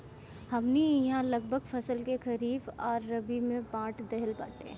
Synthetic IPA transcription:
hɐmniɦãlɐɡ̚bʱəɡfʰɐsəlkexɐɾiːbɔːɾːɐbimẽpãːʈʰd̪ɛɦəlpa̰ːʈḛ̃

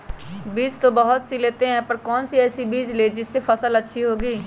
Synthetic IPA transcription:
biːd͡ʒt̪õːbəɦʊt̪sileːt̪eːɦɛ̃ːpəɾkɔːnsiːɛːsiːbiːd͡ʒleːd͡ʒɪsːeːpʰəsələtːʃʰiːɦoːɡiː

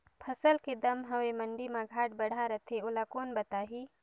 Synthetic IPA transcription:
pʰɐsəlked̪ɐmɦɐwemɐ̃ɳɖimãɡʱaːʈ̚bɐɽ̤ʱaɾɐt̪ʰeʊlakoːnbɐt̪aːɦiː

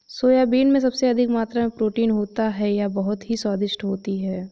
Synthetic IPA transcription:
soːjaːbiːnmẽs̬ɐbseɐd̪ʱɪkmaːt̪ɾamẽpɾoːʈiːnɦoːt̪aɦɛjabɐɦʊt̪ɦisɔːd̪ɪʃʈɦoːt̪iɦɛː

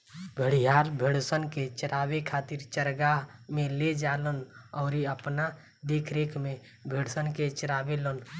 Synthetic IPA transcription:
bʱəɽ̤ijaːɾbʱeɽsənket͡ʃəɾaːwekʰaːt̪ɪɾt͡ʃəɾɡamẽled͡ʒaːlənɔːɾiəpna | d̪eːkʰɾeːkʰmẽ | bʱeɽ̤sənket͡ʃɾaːʋeloːn

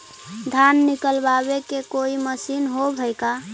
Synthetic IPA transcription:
d̪ʱanːikəlbaβekekoiməsinɦobʱəjka

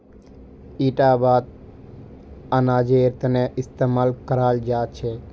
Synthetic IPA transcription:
iʈabaːd̪̚ | anad͡ʒeɾt̪əneʔɪst̪eːmalkəɾald͡ʒat͡ʃʰe

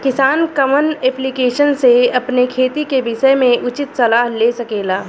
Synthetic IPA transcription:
kɪsaːnkɐmənɛːplikeːʃənseɐpnekʰeːt̪ikebɪʃəmẽʔʊt͡ʃɪt̪sɐlaːɦleːsɐkeːlaː

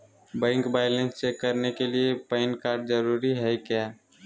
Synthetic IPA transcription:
bə̃ɪŋkbaɪlẽnst͡ʃekːəɾnekeliepəɪnkaːɾɖ̚d͡ʒəɾuːɾiɦɛkjaː

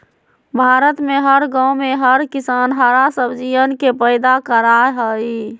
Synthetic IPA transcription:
bʱaɾət̪meɦəɾɡãwmeɦəɾkisanɦəɾasəbd͡ʒijənkepəɪd̪akəɾaɦəi

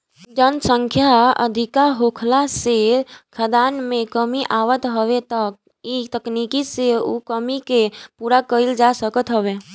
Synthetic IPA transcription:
d͡ʒənsə̃ŋkʰjaə̰d̪ʱikaɦokʰlasekʰəd̪aːnmẽkəmiʔaːwət̪ɦəwet̪ək̚ | it̪əknikiseṵkəmikepuːɾakəild͡ʒasəkət̪ɦəwe

